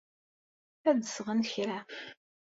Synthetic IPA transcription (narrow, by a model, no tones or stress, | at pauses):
æd̪əsʁənçɾæ